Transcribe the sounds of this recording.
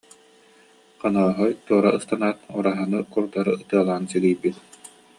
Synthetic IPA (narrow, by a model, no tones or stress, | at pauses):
qanaːɦɔjt̪uɔɾaɯst̪anaːt̪uɾaɦanɯkuɾd̪aɾɯɯt̪ɯɐlˠaːnsilijbit̪